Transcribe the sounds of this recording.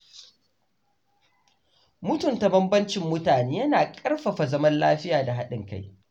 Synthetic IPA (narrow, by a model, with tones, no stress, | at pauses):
mʊ˦tʊ˨nta˨bɐ˦mbɐ˦nt͡ʃɪ˦mːʊ˦taː˨neː˦jɐ˦naː˨kʼɐ˦rɸɐ˨ɸa˨zɐ˦mɐ˦nla̰ː˦ɸɪ˦jaː˨da˨ɦa˦ɗɪ˨ŋka˦j